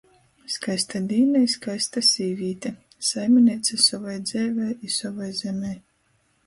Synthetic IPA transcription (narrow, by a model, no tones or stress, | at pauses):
skajst̪ad̪iːnɛjskajst̪asʲiːvʲiːt̪ʲɛ | sajmʲɛnʲiːt̪sasɔvajd̪zɛːvʲɛjisɔvajzɛmʲɛj